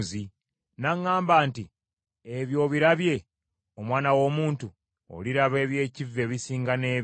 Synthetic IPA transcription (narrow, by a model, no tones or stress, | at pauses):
zi | naŋːaːmbaːnti | eβjo̞ːβiɾaβje̞ | o̞mwaːnawo̞ːmuːntu | o̰liɾaβe̞ːβje̞ːcivːe̞βisiːŋɡane̞ː